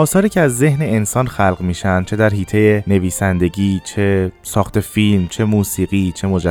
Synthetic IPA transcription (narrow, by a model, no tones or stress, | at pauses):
ɒːsɒːɾiːcʰeæzːe̞ɦne̞ensɒːnxælɢmiːʃænd̪̥̚t͡ʃʰe̞d̪æɾɦiːt̪ʰe̞jene̞viːsænd̪e̞ɟiːt͡ʃʰe̞sɒːxt̪ʰe̞filmt͡ʃʰe̞muːsiːɣiːt͡ʃʰe̞mod͡ʒæ